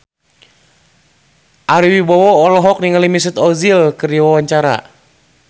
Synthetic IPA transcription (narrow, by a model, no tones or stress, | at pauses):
ʔaɾiwibɔwɔːlɔɦɔk̚niŋalimis̬ət̪ɔzilkɨriwawaɲt͡ʃaɾa̰